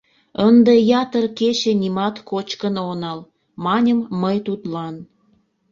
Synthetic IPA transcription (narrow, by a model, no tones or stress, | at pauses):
ənd̪ejɑt̪ərket͡ɕenimɑt̪kot͡ɕkənonɑl | mɑnʲəmːəjt̪ut̪lɑn